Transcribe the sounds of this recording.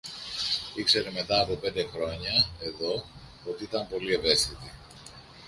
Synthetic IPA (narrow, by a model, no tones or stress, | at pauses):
ikse̞ɾe̞me̞t̪ɐːpo̞pe̞nd̪e̞xɾo̞ɲɐe̞ðo̞ | ot̪iit̪ɐmpo̞lie̞ve̞st̪it̪i